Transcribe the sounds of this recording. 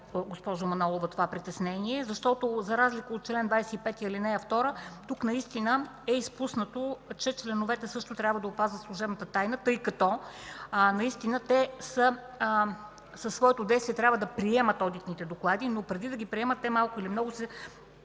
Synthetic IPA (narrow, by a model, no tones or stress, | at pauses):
ɡospɔʒʊmɐnɔlˠovɐt̪ovapɾit̪ɛsnɛniɛzɐʃt̪ɔt̪ozɐɾazlikəot̪̚t͡ʃlɛnd̪vajsɛipɛt̪iəilinɛɐft̪ɔɾət̪uknɐist̪inə | ɛispusnət̪ot͡ʃɛt͡ʃlɛnʊvɛt̪ɛsɤʃt̪ʊt̪ɾʲabvəd̪ɐopazvət̪slˠuʒɛbnət̪ət̪ajnət̪ɤjkɐt̪ɔ | nɐist̪inət̪ɛsə | səsːvɔɛt̪od̪ɛjst̪viɛt̪ɾʲabvəd̪ɐpɾiɛmət̪ɔd̪it̪nit̪ɛd̪oklˠad̪inopɾɛd̪id̪ɐɡ̟ipɾiɛmət̪ːɛmalˠkʊilimnɔɡʊsɛ